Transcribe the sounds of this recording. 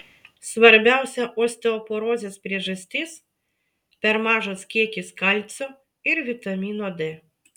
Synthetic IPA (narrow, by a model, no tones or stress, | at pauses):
sʋɐɾʲbʲæˑʊsʲɛʔoːsʲt̪ʲɛɔpoɾoːzʲeːspʲɾʲiɛʒɐsʲt̪ʲɪs | pʲɛɾmɑːʒoːskʲiɛkʲɪskɐlʲt̪sʲo | ɪɾʋʲɪt̪ɐmʲiːnoːd̪ʲɪ